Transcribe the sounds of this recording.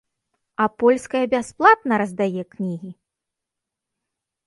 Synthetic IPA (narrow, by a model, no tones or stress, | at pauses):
ɐpɔlʲskɐjɐbʲasplˠat̪̚nɐɾɐzd̪ajɛknʲiɣʲi